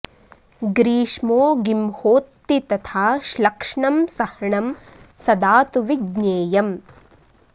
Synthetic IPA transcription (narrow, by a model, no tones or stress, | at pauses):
ɡɾiːʂmoːɡimhoːt̪ːit̪ɐt̪ʰaːʃlɐkʂɳɐmsɐhɐɳɐm | sɐd̪aːt̪uʋiɡneːjɐm